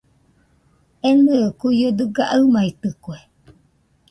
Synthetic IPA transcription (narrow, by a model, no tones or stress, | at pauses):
enɨkujod̪ɨɡaʔɨmait̪ɨkue